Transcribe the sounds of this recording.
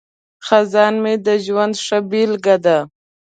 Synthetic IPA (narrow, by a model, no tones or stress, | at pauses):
xazɑnmed̪əʒwand̪ʂabilɡad̪a